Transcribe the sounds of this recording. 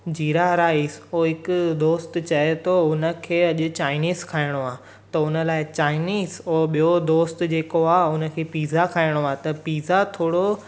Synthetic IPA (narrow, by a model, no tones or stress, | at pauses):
d͡ʑiːɾaɾaːiːsoːɦɪkʊd̪oːst̪t͡ɕɐet̪ʰoʊnə̆kʰeːɐʄʊ̆t͡ɕaːɪniːzkʰaːɪɽ̃oaː | t̪ɐʊnəlaːɪt͡ɕaːɪniːzoːɓijod̪oːst̪d͡ʑeːkoaːʊnə̆kʰeːpiːzakʰaːɪɽ̃oaːt̪ɐpiːzat̪ʰoːɽo